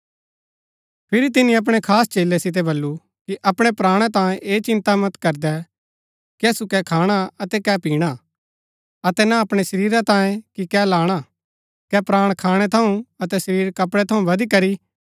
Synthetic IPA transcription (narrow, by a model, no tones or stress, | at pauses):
pʰɪɾit̪ɪnĩɐp̬ɽ̃ekʰaːst͡ʃeːlːesɪt̪̬ɛbɐlːu | kiʔɐpɽ̃ɛpɾaːɽ̃ɛt̪̬ãːẽʔeːt͡ʃɪ̃nt̪amɐt̪kɐɾd̪ɛ | kɛsukɛkʰaːɽ̃aɐt̪ɛkɛpiːɽ̃a | ɐt̪ɛnaɐpɽ̃esɐɾiːɾat̪ãːjẽkikɛlaːɽ̃a | kɛpɾaːɽ̃kʰaːɽ̃ɛt̪ʰɐũɐt̪ɛsɐɾiːɾkɐpɽɛt̪ʰɐũʋɐd̪ikɐɾi